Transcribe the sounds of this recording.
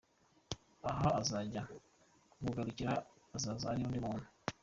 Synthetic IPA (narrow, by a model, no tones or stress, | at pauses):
aɦaazaɟa | kuβuɡaɾuciɾaːzazaaɾiuːndimuːnu